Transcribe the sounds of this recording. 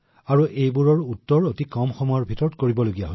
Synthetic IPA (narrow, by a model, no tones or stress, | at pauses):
aɹuʔejbuɹɔɹutːɔɹotikɔmxɔmɔjɔɹbʱitɔɹtkoɹibɔloɡijaɦo